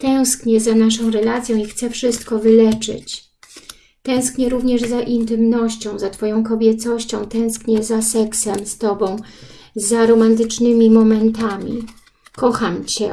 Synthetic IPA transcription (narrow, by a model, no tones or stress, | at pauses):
t̪ɛw̃skɲɛzanaʂɔ̃w̃ɾɛlat̪sʲjɔ̃w̃ixt̪sɛfʂɘst̪kɔvɘlɛt͡ʂɘ̰t͡ɕ | t̪ɛ̃w̃skɲɛɾuvɲɛʐzaʔint̪ɘmnɔɕt͡ɕɔ̃w̃zat̪fɔjɔ̃w̃kɔbʲjɛt̪sɔɕt͡ɕɔ̃w̃t̪ɛ̃w̃skɲɛzasɛksɛmst̪ɔbɔ̃w̃ | zaɾɔmant̪̬ɘt͡ʂnɘmʲimɔmɛnt̪amʲḭ | kɔxamt͡ɕɛ̰